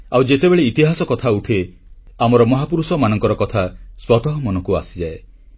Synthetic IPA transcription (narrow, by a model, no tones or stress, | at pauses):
awd͡ʒet̪ebeɭeit̪iɦasɔkɔt̪ʰauʈʰe | amɔɾɔmɔɦapuɾusɔmanɔŋkɔɾɔkɔt̪ʰaswɔt̪ɔɦɔmɔnɔkua̰sid͡ʒae